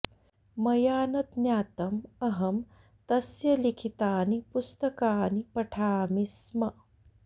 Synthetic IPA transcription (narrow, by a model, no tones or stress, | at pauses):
mɐjaːnɐt̪njaːt̪ɐmɐɦɐm | t̪ɐsjɐlikʰit̪aːnipust̪ɐkaːnipɐʈʰaːmismɐ